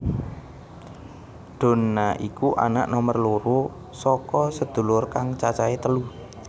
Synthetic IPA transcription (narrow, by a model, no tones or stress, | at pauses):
ɖ̪̥o̤nːaʔikuʔa̰na̰ʔnɔmərloɾu | sɔkɔsəd̪̥ṳlʊrkaŋt͡ʃat͡ʃaet̪əlu